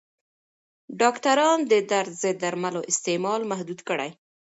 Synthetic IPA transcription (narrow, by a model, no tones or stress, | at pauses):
ɖɑkt̪aɾɑnd̪əd̪aɾt̪zəd̪aɾmaloʔɪst̪emɑlmahd̪ud̪kəɽa̰j